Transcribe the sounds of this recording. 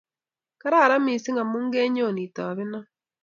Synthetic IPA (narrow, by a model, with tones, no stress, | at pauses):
ka˦ɾa˦˨ɾa˦miː˨si˦ŋɡa˨muː˦ŋɡeː˦ɲo˦˨ni˨ta˨βɪ˦na˦